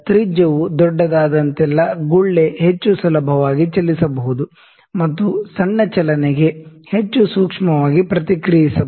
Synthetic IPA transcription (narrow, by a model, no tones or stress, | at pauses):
t̪ɾid͡ʒɐʋud̪ɔɖːɐd̪aːd̪ɐnt̪ɛlːɐɡuɭːeɦet͡ʃːusɐlɐbʱɐʋaːɡit͡ʃɐlːisɐbɐɦud̪u | mɐt̪ːusɐɳːɐt͡ʃɐlɐneɡe̞het͡ʃːusuːkʂɐmɐʋaːɡipɾɐt̪ikɾijisɐ